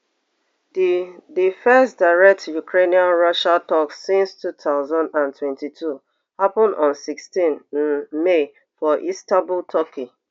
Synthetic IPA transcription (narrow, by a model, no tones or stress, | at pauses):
didifɛstdaɪɹɛk̚tjukɹeniãnɹɔʃatɔksːĩnstʰut̪ʰaʊzãndãntʰwɛ̃ntitʰu | hapɔ̃ndɔ̃nsikstĩnn̩me | fɔʔistabʊltʰɔki